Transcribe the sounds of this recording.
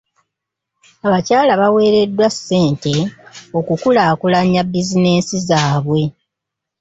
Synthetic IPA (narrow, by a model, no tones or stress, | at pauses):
aβacaːlaβawe̞ːɾe̞dːwasːe̞ːnte̞o̞kukulaːkulaɲːabːizine̞ːnsizaːβwe̞